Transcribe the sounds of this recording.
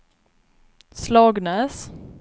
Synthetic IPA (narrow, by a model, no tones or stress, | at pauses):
slɑːɡnɛːs